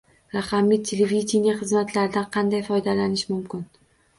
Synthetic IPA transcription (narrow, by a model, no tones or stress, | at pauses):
ɾɑqɑmijt̪ʰelevid̪ʲinʲijaχɨzmat̪ʰlaɾɪd̪anqʰɑnd̪ajfɒjd̪alanɪʃmʊmkʲɪn